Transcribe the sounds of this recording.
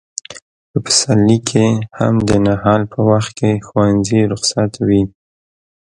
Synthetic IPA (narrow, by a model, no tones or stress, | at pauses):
pəpə̥salːikʰeha̰md̪ənahɑlpʰəwaxt̪̚kexwwanziɾʊxsat̪wi